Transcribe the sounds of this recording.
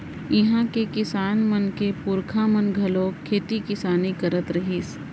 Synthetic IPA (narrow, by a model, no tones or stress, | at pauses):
ɪɦãkekɪsaːnmənkepʊɾkʰãmənɡʱɐloːkʰːeːt̪ikɪsaːnikəɾət̪ɾɐɦiːs